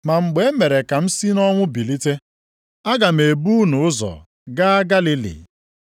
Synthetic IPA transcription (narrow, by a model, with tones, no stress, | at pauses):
ma˨ŋ͡m̩˨ɡ͡be˨˦me˨ɾe˨ka˨m̩˦si˦nɔ˦ŋʷʊ˦bi˨li˦te˦ | a˦ɡa˨me˨bu˦nʊ˨ʊ˦zɔ̰˨ | ɡa˦a˦ɡa˦li˦lḭ˨